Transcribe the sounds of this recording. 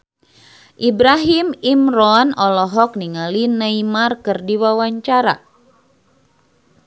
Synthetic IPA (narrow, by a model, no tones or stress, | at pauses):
ʔibɾaɦimimrɔnɔlɔɦɔk̚niŋalinaimarkɨrdiwawaɲt͡ʃaɾa̰